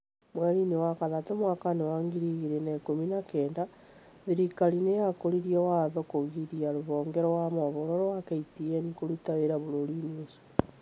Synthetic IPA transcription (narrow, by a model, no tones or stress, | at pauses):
mweɾinewakaðatomwakanewaːŋɡiɾiɣiɾenekominakeːnda | ðiɾikalinejakoɾiɾiowaðokoɣiɾiaɾoβoːŋɡeɾowamoβoɾoɾoakeitienikoɾutaweɾaβoɾoɾineso̥